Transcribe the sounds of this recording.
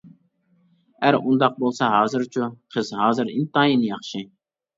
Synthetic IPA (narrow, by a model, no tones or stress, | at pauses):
æɾund̪ɑq̚bolˠsɑɦɑːzɨɾt͡ʃʰuqʰəzɦɑːzɨɾḭnt̪ɑːjinɨjɑχʃɨ